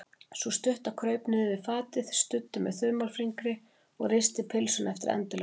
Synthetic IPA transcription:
sust̪ʏht̪akʰɾœːɥpnɪðɪvɪðfaːt̪ɪð̥st̪ʏt̪ːʏmɛ̰ðθʏðmawlfɾiŋkɾɪ | ɔɣrejst̪ɪpʰɪlsʏnɛft̪ɪɾɛ̰nt̪ʏlɛ

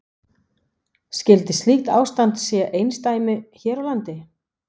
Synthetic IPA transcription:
scɪlt̪ɪst̪lixt̪a̰ːwst̪ant̪sɛʔejnst̪aːjmʏçɛːɾawlant̪ɪ

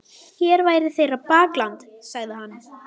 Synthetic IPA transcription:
çɛːɾvaːjɾɪ̥θejɾapaːklant̪saɣðɪɦanː

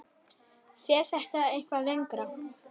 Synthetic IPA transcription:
θjɛθɛht̪aejn̥kvalejŋkɾa

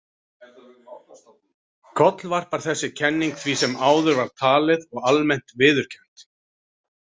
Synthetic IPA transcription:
kʰɔt̪lvar̥paɾ̥θɛsːɪcʰɛnːiŋkθʰvisɛmaːwðʏɾvaɾ̥t̪ʰaːlɪðɔɣalmɛn̥t̪vɪːðʏɾ̥cʰɛ̥m̥t̪

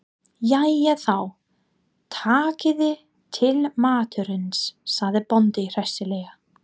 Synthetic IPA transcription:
jajɛθaw | t̪ʰaːcɪðɪ | t̪ʰɪlmaːt̪ʏɾʏnsːaɣðɪpɔnt̪ɪir̥ɛst̪ɪlɛːjɣa

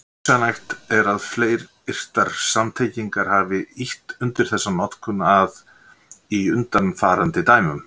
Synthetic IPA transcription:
sanajxt̪ɛɾaðfleːjɾ | ɪr̥t̪aɾ̥samt̪ʰejciŋkaɾ̥haːvɪiht̪ʏnt̪ɪɾ̥θɛsːanɔt̪kʰʏnað | iʏnt̪anfaːɾant̪ɪt̪aːjmʏm

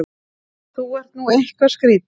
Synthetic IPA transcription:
θuvɛr̥t̪nuːehkvaskɾiːt̪

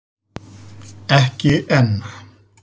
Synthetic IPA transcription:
ɛhkɪʔɛnːa

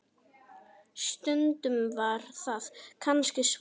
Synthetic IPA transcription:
st̪ʏnt̪ʏmvaɾ̥θaðkʰanscɪs

